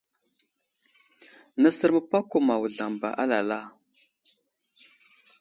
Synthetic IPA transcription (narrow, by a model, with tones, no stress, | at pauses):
na˦sə˦ɾmə˦pa˦ko˨ma˨wu˨ɮa˨mba̰˨ʔa˦la˨la˦˨